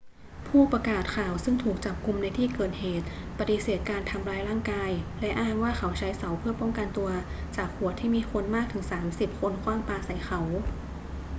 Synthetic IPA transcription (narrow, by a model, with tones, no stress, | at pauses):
pʰuː˥˩pɾa˧kaː˨˩t̪̚kʰaː˨˩wsɯ˥˩ŋt̪ʰuː˨˩k̚t͡ɕa˨˩p̚ku˧mna˧jt̪ʰiː˥˩kɤː˨˩t̪̚heː˨˩t̪̚ | pa˧t̪i˨˧˩seː˨˩t̪̚kaː˧nt̪ʰa˧mɾaː˧jɾaː˥˩ŋkaː˧jlɛ˦˥ʔaː˥˩mwaː˥˩xʰa˩˦wt͡ɕʰa˦˥jsa˩˦wpʰɯ˥˩ɐpɔ˥˩ŋka˧nt̪u˧ɐt͡ɕaː˨˩k̚hu˨˩ət̪ʰːiː˥˩miː˧kʰo˧nmaː˥˩k̚t̪ʰɯ˩˦ŋsaː˩˦msi˨˩p̚kʰo˧nkʰwaː˥˩ŋpaː˧sa˩˦jxʰa˩˦w